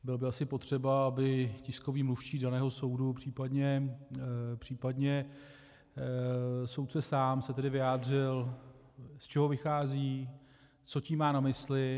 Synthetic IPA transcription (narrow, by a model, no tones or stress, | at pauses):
bɪlbɪasɪpo̞t̪r̝̥ɛbaabɪcɪsko̞viːmluft͡ʃiːdanɛːɦo̞so̞wdupr̝̥iːpadɲɛ | pr̝̥iːpadɲɛ | so̞wt̪sɛsaːmsɛt̪ɛdɪvɪjaːd̪rɪl | st͡ʃɛɦo̞vɪxaːziː | t͡so̞cimaːnamɪslɪ